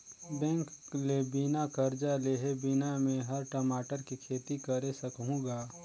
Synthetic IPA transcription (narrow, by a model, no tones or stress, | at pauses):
bɛ̃ːŋklebɪnakəɾd͡ʒaleɦebɪnamẽɦɐɾʈəmaːʈəɾkikʰeːt̪ikəɾesəkɦũɡaː